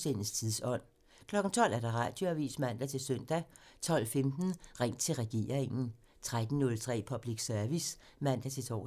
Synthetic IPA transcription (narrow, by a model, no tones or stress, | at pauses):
sen̩st͡sʰiðˠsɒ̽n̰ | kʰlɒ̽ɡ̥n̩t͡sʰɒ̽l̰æɐd̥ɑ̈ʁɑ̈d̥jo̝æʋḭːsmæn̰d̥æt͡sʰe̝lsøn̰d̥æt͡sʰɒ̽l̰femd̥n̩ʁaŋ̰d̥̚t͡sʰe̝lʁɛɡ̥e̝̰ːɐeŋn̩ | t͡sʰʁad̥n̩nɔ̽lt͡sʰʁɛ̰ːpʰɒ̽b̥liɡ̥sœɐʋis | mæn̰d̥æt͡sʰe̝t͡sʰɒ̰